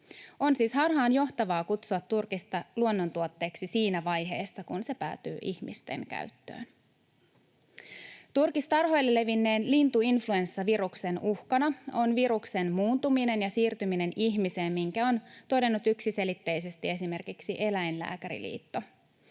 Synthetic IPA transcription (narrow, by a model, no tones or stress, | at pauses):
o̞nsiːshɑrɦɑːnjo̞ht̪ɑʋɑːkut̪suɑt̪ːurkist̪ɑluonːo̞nt̪uo̞t̪ːe̞ːksisiːnæʋɑjɦe̞ːsːɑkunse̞pæ̰ːt̪y̰ːʔiçmist̪e̞̰ŋkæ̰ɥt̪ːø̰ːn | t̪urkist̪ɑrɦo̞jlːelːe̞ʋinːe̞ːnlint̪uinflue̞nsːɑʋiɾukse̞nuhkɑnɑo̞nʋiɾukse̞nmuːnt̪umine̞njɑsiːrt̪ymine̞niçmise̞ːmmiŋkæo̞nt̪o̞de̞nːut̪yksise̞lit̪ːejse̞st̪ie̞sime̞rkiksiʔe̞læjnlæ̰ːkæɾḭlḭːt̪ːo̞